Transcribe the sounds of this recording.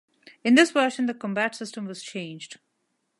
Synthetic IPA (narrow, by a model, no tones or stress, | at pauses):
ɪ̃nd̪ɪsʋəːʃə̃nd̪əkɔ̃mbæʈsɪsʈə̃mʋɔz̥t͡ʃʰẽɪ̃nd͡ʒɖ